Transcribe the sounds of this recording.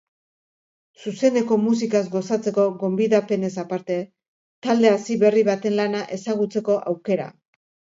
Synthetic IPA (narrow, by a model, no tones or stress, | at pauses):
suse̞nd̪e̞ko̞mus̬ikasɡo̞sat͡se̞ko̞ɣo̞mbiðape̞ne̞sapaɾt̪e̞ | t̪ald̪e̞asiβe̞riβat̪e̞nlanaʔe̞saɣut͡se̞ko̞ʔawke̞ɾa̰